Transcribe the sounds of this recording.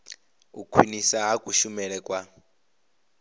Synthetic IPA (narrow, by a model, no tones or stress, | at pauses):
ukʰwinisaɦakʼuʃumɛɺɛkʼwa